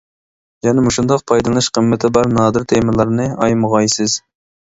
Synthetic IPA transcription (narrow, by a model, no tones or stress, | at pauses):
jɛnɪmuʃund̪ɑqpʰɑjd̪ɨlˠɨʃqʰəmːɪt̪ʰɪbɑɾnɑːd̪ɨɾt̪ʰemɨlˠɑɾnɨɑ̰jməʁɑjsɨz̥